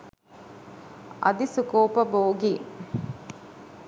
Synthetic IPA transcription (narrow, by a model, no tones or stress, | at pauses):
ʔɐ̰d̪isukoːpɐboːɡi